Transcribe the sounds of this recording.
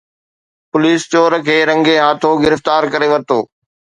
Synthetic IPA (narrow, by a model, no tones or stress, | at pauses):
pʊliːst͡ɕoːɾkʰeːɾɐ̃ŋɡeɦaːt̪ʰoɡɪɾəft̪aːɾkɐɾeʋɐɾt̪oː